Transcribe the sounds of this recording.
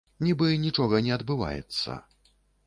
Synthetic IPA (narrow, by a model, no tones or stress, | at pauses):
nʲibɨnʲit͡ʂɔɣɐnʲɛɐd̪bɨva̰jɛ̰t̪sːɐ̰